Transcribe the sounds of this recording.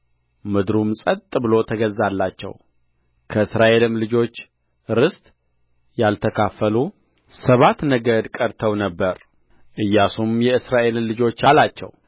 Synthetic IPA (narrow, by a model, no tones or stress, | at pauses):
mɨd̪ɾumsʼət̪t̪ʼɨbɨlo̞t̪ʰəɡəzalːat͡ʃːɛ̰w | kʰəɨsɾaʔe̞lɨmlɨd͡ʒo̞t͡ʃː | ɾɨst̪ʼ | jalt̪ʰəkʰafəlu | səβat̪nəɡəd̪kʼəɾt̪ʰəwnəbːəɾ | ʔɨjːasumjɛɨsɾaʔe̞llɨd͡ʒo̞t͡ʃːalat͡ʃːɛ̰w